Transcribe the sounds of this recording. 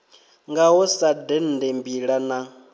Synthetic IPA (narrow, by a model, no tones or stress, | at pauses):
ŋɡaɦɔsadɛn̩dembiɺana